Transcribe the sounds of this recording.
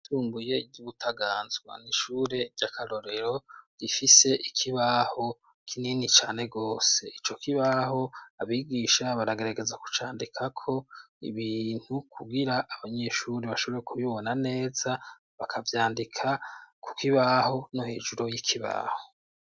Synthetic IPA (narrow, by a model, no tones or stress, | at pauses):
tuːmbuje̞ɟuβutʰaɡaːnzɡwa̰niʃuːɾe̞ɾɟakʰaɾo̞ɾe̞ɾo̞ɡ̥ifise̞ʔikʰiβaho̞ | kʰininit͡ʃaːne̞ɡo̞ːse̞it͡ʃo̞kiβaho̞aβiːɡiːʃaβaɾaɡe̞ɾaɡe̞zaku̥t͡ʃaːndikʰakʰo̞ḭβiːn̥hukʰuɡiɾaʔːβaɲe̞ʃuɾiβaʃo̞βɾekʰuβiβonane̞ːza | βakʰavjaːndikʰaku̥kiβaho̞noheːd͡ʒuɾo̞jikʰiβa̰ho̞